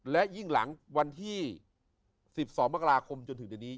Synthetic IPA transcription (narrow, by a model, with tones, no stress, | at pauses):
lɛ˦˥ji˥˩ŋla̰˩˦ŋwa˧nt̪ʰiː˥˩ | si˨˩p̚sɔː˩˦ŋma˦˥ka˧ɾaː˧kʰo˧mt͡ɕo˧nt̪ʰŋdiː˧niː˦˥